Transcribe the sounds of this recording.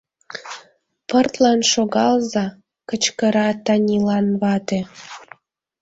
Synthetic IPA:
pərt̪lɑnʃoɣɑlzɑ | kət͡ɕkəɾɑt̪ɑnʲilɑnβɑt̪e

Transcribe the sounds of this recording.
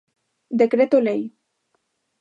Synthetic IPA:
d̪ekɾet̪olej

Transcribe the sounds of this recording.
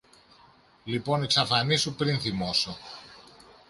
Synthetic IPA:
lipo̞niksɐfɐnisupɾinθimo̞so

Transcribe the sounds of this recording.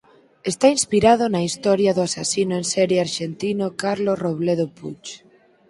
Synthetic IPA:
est̪ainspiɾað̞ʊnɐist̪ɔɾjɐðʊasasinʊensɛɾjeaɾʃent̪inokaɾlosroβleðopṵt͡ʃ

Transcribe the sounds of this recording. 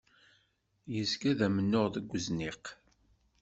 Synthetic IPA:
jəskæðæmənːoʁðəɡʷːəznɪq

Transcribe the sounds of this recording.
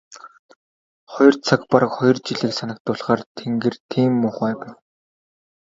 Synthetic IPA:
χɔjɞ̆rt͡sʰakpaɾə̆kχɔjɞ̆rt͡ɕiɮĭːksanə̆k̚t̪ʊːɮʁaːrt̪ʰeŋɡĕrt̪ʰiːmːʊχæːpæːw

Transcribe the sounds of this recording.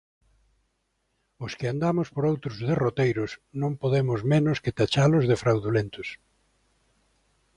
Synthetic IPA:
ʊskɪand̪amʊspoɾowt̪ɾʊzðerot̪ejɾʊsnõmpoðemʊzmẽnʊskɪt̪at͡ʃalʊzðefɾawðulent̪ʊs

